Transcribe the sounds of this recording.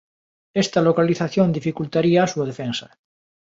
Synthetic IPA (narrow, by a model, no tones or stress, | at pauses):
est̪alokaliθaθjond̪ifikult̪aɾiaːsuað̞efensa